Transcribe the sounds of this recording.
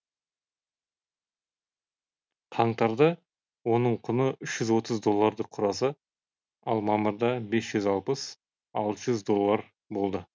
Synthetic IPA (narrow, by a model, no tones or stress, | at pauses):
q̪ʰɑɴt̪ɑɾd̪ɑ | wo̞nəɴqʰʊnəʏʃʒ̥ʏzwo̞t̪əzd̪o̞lˠːaɾd̪əqʰːʊɾɑsə | ɑlˠmɑməɾd̪ɑbe̞sʒ̥ʏzɑlˠpəs | ɑlˠt̪ʒʏzd̪o̞lˠːɑɾ | bo̞lˠd̪ə